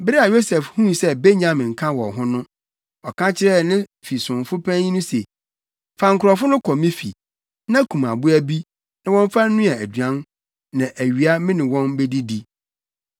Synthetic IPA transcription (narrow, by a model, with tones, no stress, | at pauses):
bɪ˦ɾɪ˦a˨jo˦sɛ˨fhũ˦sɛ˦be˦ɲã˨mɪ̃˨ŋ̩˨kʰã˦wɔ̰˨ɦʊ̃˦nʊ̃˦ | ɔ˨kʰã˦t͡ɕʰɪ˦ɾɛ˦˨nɪ̃˦fi˨sʊ̃˨nfʊ˦pʰã˦ĩ˦nʊ̃˦se˨ | fã˨ŋ̩˨kʰʊ˨ɾɔ˨fʊ˦nʊ̃˦kʰɔ˨mɪ̃˦fḭ˨ | nã˦kʰũ˨ma̰˨bʊ˦æ˦bi˦ | nã˦wɔ̃˦ɱ˦fã˦n̩˦nʊ̃˦a˨æ˨dɥã˦n | nã˨ʔæ˨ɥi˨a˦mɪ̃˦nɪ̃˨wɔ̃˦nbe˦di˦di˦